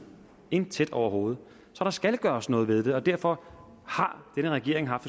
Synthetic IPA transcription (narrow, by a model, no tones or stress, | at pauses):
e̝nt͡sʰed̥ɒʊɐho̝ːð̞̩ˠ | sɒ̽ɾ̥ɑ̈sɡ̥ælɡ̥ɶːɐsnɔ̽ːð̞̩ˠʋe̝ð̞ˠd̥e̝ɒ̽d̥æɐ̰fɒ̽ | hɑ̈d̥enəʁaɡ̥e̝ɐe̝ŋɦɑ̈fd̥